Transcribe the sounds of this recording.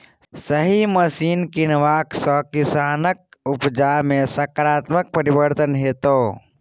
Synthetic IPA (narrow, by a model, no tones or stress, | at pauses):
səɦiməsiːnkinʋaːksɔ̃kɪsaːnək̚upd͡ʒamẽsəkɾaːt̪mək̚pəɾibəɾt̪ənɦeːt̪oː